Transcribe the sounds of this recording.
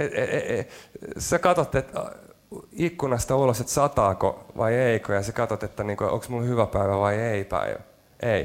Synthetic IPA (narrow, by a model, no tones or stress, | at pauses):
eee | sekɑt̪ot̪ːet̪ | ikːunɑst̪ɑuloset̪sɑt̪ɑːko̰ʋʔɑ̰ieikojɑsekɑt̪ot̪et̪ːæniːŋkoʔo̰ksmulhyʋæpæiʋæʋɑieipæ̰iʋæ | ʔei